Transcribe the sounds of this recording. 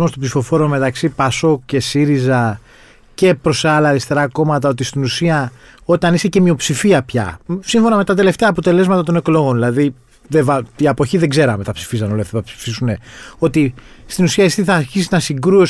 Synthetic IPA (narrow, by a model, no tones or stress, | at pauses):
most̪obsifo̞fo̞ɾiome̞t̪ɐksipɐso̞kce̞siɾizɐ | ce̞pɾo̞seɐlɐːɾist̪e̞ɾɐko̞mɐt̪ɐo̞t̪ist̪inusiɐ | o̞t̪ɐnise̞ce̞mio̞psifiɐpçɐ̰siɱfo̞nɐme̞t̪ɐt̪e̞le̞ft̪e̞ɐːpo̞t̪e̞le̞zmɐt̪ɐt̪o̞ne̞klo̞ɣo̞nðilɐði | ðevɐiɐpo̞çiðeɡze̞ɾɐmet̪ɐpsi̥fisɐno̞lɐft̪tɐpsi̥fisune̞o̞t̪ist̪inusiɐist̪iθɐːɾçisiznɐsiɡɾuo